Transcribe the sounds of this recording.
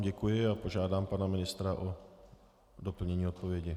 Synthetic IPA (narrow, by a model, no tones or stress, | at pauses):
ɟɛkujɪapo̞ʒaːdaːmpanamɪnɪst̪ɾaʔo | do̞pl̩ɲɛɲiːot̪̚povɪɛɟɪ